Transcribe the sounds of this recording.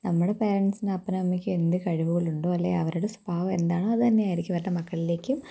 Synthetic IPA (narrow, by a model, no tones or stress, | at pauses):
nɐmːuɽe̞pe̞ːɾɐɳʈsinɨɐpːɐnnɐmːikʲːɨe̞nd̪ɨkɐɻiʋuɣɐɭuɳɖoːɐlːeːɐʋɐɾuɽesu̥baːʋɐe̞nd̪aːɳoːɐðɨt̪ɐnːeaːjɾikʲːɐpɐɾnːɐmɐkːɐɭile̞ːkʲːum